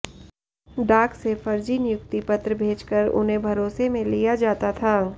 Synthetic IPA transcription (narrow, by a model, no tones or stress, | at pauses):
ɖaːksefɐɾd͡ʒinɪjʊk̚t̪ipɐt̪ɾəbʱeːt͡ʃkəɾʊ̰nɦẽbʱɐɾoːsemẽlijad͡ʒaːt̪at̪ʰaː